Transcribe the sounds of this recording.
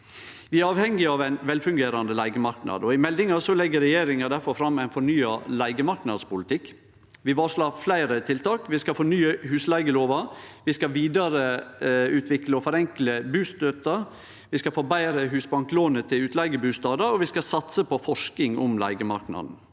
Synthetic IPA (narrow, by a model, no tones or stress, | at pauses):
ʋɪæɾɑːʋhɛŋɪɑʋæɪnʋɛlfʉŋɡeːɾɑnd̪əlæɪɡəmɑɾknɑ̰d̪ɔɪmɛld̪ɪŋɑsɔlɛɡːəɾɛjeːɾɪŋɑd̪æɾfɔɾfɾɑmːæɪnfɔɳyːɑlæɪɡəmɑɾknɑd̪spʊlɪt̪ʰɪkː | ʋɪʋɑːʂlɑːflæɪɾət̪ʰɪlt̪ʰɑːkʋɪskɑfɔɳyːəhʉːslæɪɡəloːʋɑʋɪskɑʋiːd̪ɑɾəʉːt̪ʰʋɪkləɔfɔɾɛŋkləbʉːst̪øːt̪ɑ | ʋɪskɑfoːbæɪɾəɦʉːsbɑŋkloːnət̪ʰɪlʉːt̪ʰlæɪɡəbʉːst̪ɑːd̪əɾɔʋɪskɑsɑt̪səpʰɔfɔʂkɪŋʊmlæ̰ɪɡəmɑ̰ɾknɑ̰d̪n̩